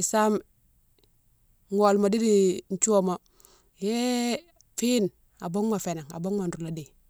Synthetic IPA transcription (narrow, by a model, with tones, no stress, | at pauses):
i˨sa˦m | ŋo˨lmo˨di˦di˨n˦t͡ʃu˦wo˦mo˨ | je˦ | fiː˦n | a˨bo˦ŋma˨fe˨na˨ŋa̰˨bo˦ŋma˨nɾu˨la˨di˨